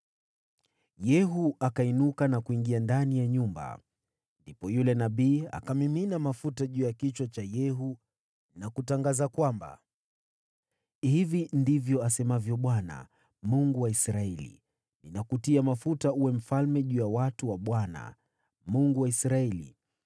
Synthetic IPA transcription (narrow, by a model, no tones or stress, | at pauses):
jɛɦuakainukanakuiŋɡiandanijaɲumba̰ | ndipɔjulɛnaɓiːa̰kamiminamafutaʄuːjakit͡ʃwat͡ʃajɛɦu | nakutaŋɡazakwamba̰ | hivindivjɔasɛmavjɔɓwana̰ | muŋɡuwaisɾaɛlḭ | ninakutiamafutauwɛm̩falmɛʄuːjawatuwaɓwana̰ | muŋɡuwaisɾaɛlḭ